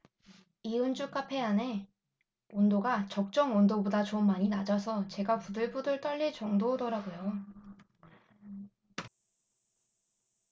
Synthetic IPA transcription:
iɯnd͡ʑuk͈apʰe̞ane̞ | ondoɡat͡ɕʌk̚t͡ɕ͈ʌŋʌndobodat͡ɕonmːaɲinad͡ʑasʰʌt͡ɕe̞ɡapudɯɭbudɯɭt͈ʌʎːit͡ɕʌŋdodʌɾaɡojo

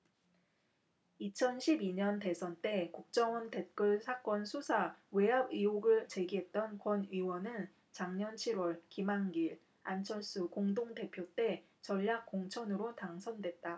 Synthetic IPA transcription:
it͡ɕʰʌnɕʰibiɲʌnte̞sʰʌnt͈e̞kuk̚t͡ɕ͈ʌŋʌnte̞t̚k͈ɯɭsʰak͈ʌnsʰusʰawe̞abioɡɯɭt͡ɕe̞ɡiɦe̞t̚t͈ʌnkwʌnɥiwʌnɯn | t͡ɕaŋɲʌnt͡ɕʰiɾwʌɭkimaŋɡiɭ | ant͡ɕʰʌɭs͈ukoŋdoŋte̞pʰjot͈e̞ | t͡ɕʌʎːak̚k͈oŋt͡ɕʰʌnɯɾotaŋsʰʌndwe̞t̚t͈a

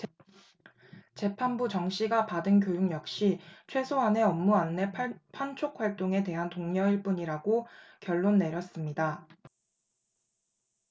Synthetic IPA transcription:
t͡ɕe̞pʰanbut͡ɕʌŋɕ͈iɡapadɯnkjojuŋjʌk̚ɕ͈it͡ɕʰwe̞sʰoane̞ʌmːuanːe̞pʰant͡ɕʰok̚ʰwaɭt͈oŋe̞te̞ɦantoŋɲʌiɭp͈uɲiɾaɡokjʌɭːonːe̞ɾjʌs͈ɯmɲida

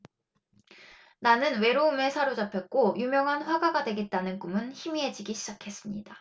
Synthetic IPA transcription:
nanɯnwe̞ɾoume̞sʰaɾod͡ʑapʰet̚k͈ojumjʌŋɦanɸwaɡaɡadwe̞ɡe̞t̚t͈anɯnkumɯnçimie̞d͡ʑiɡiɕʰid͡ʑakʰe̞s͈ɯmɲida

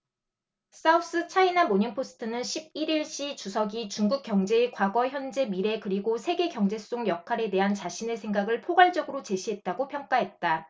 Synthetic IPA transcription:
s͈aus͈ɯt͡ɕʰainamoɲiŋpʰosʰɯ̥tʰɯnɯnɕʰib̚iɾiɭɕ͈it͡ɕusʰʌɡit͡ɕuŋɡuk̚k͈jʌŋd͡ʑe̞ːkwaɡʌçjʌnd͡ʑe̞miɾe̞kɯɾiɡosʰe̞ɡe̞ɡjʌŋd͡ʑe̞s͈oŋjʌkʰaɾe̞teɦant͡ɕaɕʰine̞sʰe̞ŋɡaɡɯɭpʰoɡaɭd͡ʑʌɡɯɾot͡ɕe̞ɕʰiɦe̞t̚t͈aɡopʰjʌŋk͈aɦe̞t̚t͈a

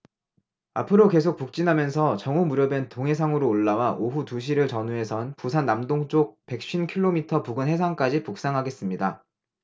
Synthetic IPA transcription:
apʰɯɾoke̞sʰok̚puk̚t͡ɕ͈inɦamjʌnsʰʌt͡ɕʌŋumuɾjʌbe̞ntoŋɦe̞sʰaŋɯɾoːɭːawaʔoɦutuɕ̬ʰiɾɯɭt͡ɕʌnue̞sʰʌnpusʰanːamdoŋt͡ɕ͈ok̚pe̞k̚ɕ͈inkʰiɭːomitʰʌpuɡɯnɦe̞sʰaŋk͈ad͡ʑipuk̚s͈aŋɦaɡe̞s͈ɯmɲida

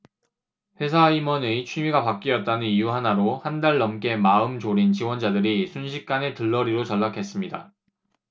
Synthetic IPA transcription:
ɸwe̞sʰaimʌnɯit͡ɕʰɥimiɡapak͈iʌt̚t͈anɯnijuɦanaɾohandaɭːʌmk͈e̞maɯmt͡ɕoɾint͡ɕiwʌnd͡ʑadɯɾisʰunɕʰik̚k͈ane̞tɯɭːʌɾiɾot͡ɕʌɭːakʰe̞s͈ɯmɲida

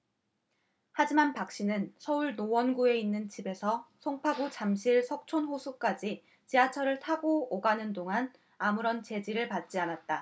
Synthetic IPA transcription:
had͡ʑimanpak̚ɕ͈inɯnsʰʌuɭnowʌnɡue̞inːɯnt͡ɕibe̞sʰʌsʰoŋpʰaɡot͡ɕamɕʰiɭsʰʌk̚t͡ɕʰonɸosʰuk͈ad͡ʑi | t͡ɕiat͡ɕʰʌɾɯɭtʰaɡooɡanɯndoŋan | amuɾʌnt͡ɕe̞d͡ʑiɾɯɭpat̚t͡ɕ͈ianat̚t͈a

